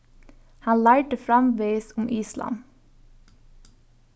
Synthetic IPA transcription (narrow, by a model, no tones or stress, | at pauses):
hɑnlæːʈəfɾɑmʋeːɪsʊmʔiːslɑ̰m